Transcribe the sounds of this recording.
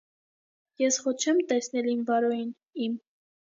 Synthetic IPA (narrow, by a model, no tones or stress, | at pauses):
jɛsχɔt͡ʃʰɛmt̪ɛsnɛlimvɑɾɔjin | im